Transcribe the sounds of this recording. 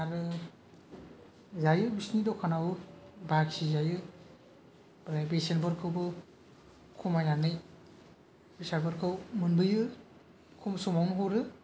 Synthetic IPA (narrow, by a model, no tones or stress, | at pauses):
aɾɯ | zajɯbisnidɔkʰanawbaksizajɯ | bɾabesenbɯɾkʰɯwbɯ | kʰumajanɯj | bisabɯɾkʰɯwmɯnbɯjɯ | kʰɔmsɔmawnɦɔɾɯ